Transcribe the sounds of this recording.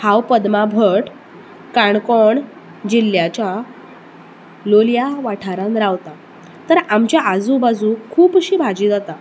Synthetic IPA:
hawpəd̪mabʱəʈ | kaɳkoɳ | d͡ʑilːjat͡ɕja | loljaʋaʈʰaɾãnɾaʋt̪a | t̪əɾamt͡ɕjaʔad͡zũbad͡zũkʰuːpɕiːbʱad͡ʑiːd͡zat̪a

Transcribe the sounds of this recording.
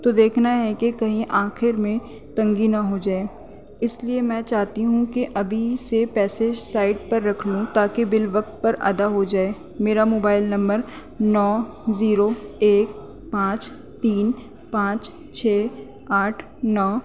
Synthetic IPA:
t̪oːd̪eːkʰnaɦɛkekɐɦĩʔaːxɪɾmẽ | t̪ɐ̃ŋɡinɐɦod͡ʒaːeː | ɪsliemɛ̃ːt͡ʃaːɦt̪iɦũkeʔɐbʱisepɛːsed͡ʒsaːɪʈ̚pɐɾːɐkʰlũt̪aːkebɪlʋɐk̚t̪̚pɐɾʔɐ̰d̪aɦod͡ʒaːeː | meːɾamoːbaːɪlnɐ̃mbəɾ | nɔːziːɾoeːk | pãːt͡ʃ | t̪iːn | pãːt͡ʃ | t͡ʃʰeː | aːʈʰ | nɔː

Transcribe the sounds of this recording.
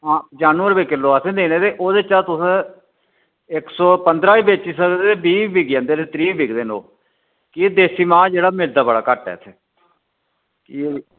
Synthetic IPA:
ɦãːd͡ʒaːnuəɾbeːkɪlːoːəsẽːd̪eːneːt̪eːʔoːd̪eːt͡ʃaːt̪ʊsẽː | ɪksɔːpənd̪ɾaːiːbeːt͡ʃisəkd̪eːeːbiːbiɡjãnd̪eːɾet̪ɾiːbɪkd̪eːno̰ː | kid̪eːsiːmãːd͡ʒeːɽaːmɪld̪aːbəɽa̰ːkəʈːɛ̰ːt̪ʰeː | ki

